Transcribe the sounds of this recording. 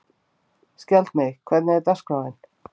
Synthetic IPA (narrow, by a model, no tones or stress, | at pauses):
scɛlt̪mɪɣkʰvɛt̪nɛɪɾt̪asknawɪn